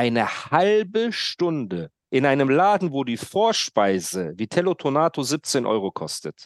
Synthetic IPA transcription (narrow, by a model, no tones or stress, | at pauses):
ʔaɪnəhalbəʃtʊndə | ʔɪnʔaɪnəmlaːdn̩voːdiːfoːɐʃpaɪzəviːtʰɛlotʰonaːtʰoziːp̚t͡seːnʔɔ̰ʏʁokʰɔstət